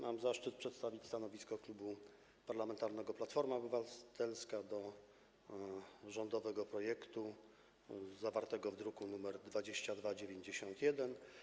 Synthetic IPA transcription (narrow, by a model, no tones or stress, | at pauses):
mamzaʂt͡ʂɘt̪̚pʂɛt̪st̪avʲit͡ɕʲst̪anɔvʲiskɔklubu | paɾlamɛnt̪aɾnɛɡɔplat̪fɔɾmabɘvat̪ɛlskad̪ɔ | ʐɔnd̪ɔvɛɡɔpɾɔjɛkt̪u | zavaɾt̪ɛɡɔvd̪ɾukunumɛɾd̪vad͡ʑeɕt͡ɕad̪vad͡ʑevʲjeɲd͡ʑeɕɔnt̪jɛd̪ɛn